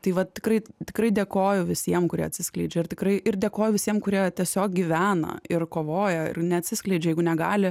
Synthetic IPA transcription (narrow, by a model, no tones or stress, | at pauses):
t̪ɐɪʋɐtt̪ʲɪkɾɐɪt̪ʲɪ̥kɾɐɪd̪ʲeːkoːjʊʋʲɪsʲiɛmkʊɾʲiɛ̰ɐtʲsʲɪsklʲɛɪd͡ʒʲɛɪrt̪ʲɪkrɐɪʔɪrd̪ʲeɛkoːjʊʋʲɪsʲiɛmkʊɾʲiɛt̪ʲiɛsʲoːk̚ɡʲiʋʲæːnɐ̰ɪrkoːʋoːjɛɪ̰rnʲɛɐt̪ʲsʲɪsklʲɛɪd͡ʒʲɛjɛɪɡʊnʲɛɡɑːlʲɪ